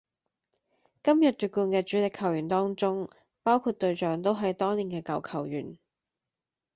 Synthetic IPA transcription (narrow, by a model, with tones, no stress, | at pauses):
kɐ˥mjɐ˨t̚t̪yː˨t̚kuː˧nkɛː˧t͡ʃyː˨˥lɪ˨kʰːɐ˨˩wjyː˨˩nt̪ɔː˥ŋt͡ʃʊ˥ŋ | paː˥wkʰuː˧t̚t̪ɵ˧ɥt͡ʃœː˨˥ŋt̪o˥wɦɐ˨jt̪ɔː˥ŋliː˨˩nkɛː˧kɐ˨wkʰɐ˨˩wjy̰ː˨˩n